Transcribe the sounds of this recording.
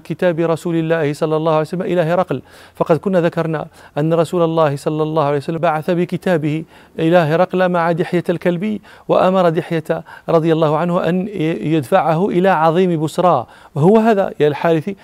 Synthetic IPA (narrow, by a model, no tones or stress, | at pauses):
kɪt̪aːbɪɾˤɑsuːlɪlːæːhɪsˤɑlːɑlˤːɑːhʊwʕljsalːmʔɪlæːhɪɾˤɑql | fɑqɑd̪kʊnːæðakɑɾˤna̰ʔænːaɾˤɑsuːlɑlˤːɑːhɪsˤɑlːɑlˤːɑːhʊʕalejsalːbaʕaθabɪkɪt̪aːbɪh | ʔɪlaɦɾˤɑqlamaʕad̪ɪħjalkalbəjː | waʔamɑɾˤɑd̪ɪħjat̪ɾˤɑd̪ˤɨjalˤːɑːhʊʕanhʊʔæ̰njʊd̪faʕahʊʔɪlaʕɑðˤiːmbʊsɾˤɑː | ɦʊwːɦæːðæ̰jalħaːd̪ɪθi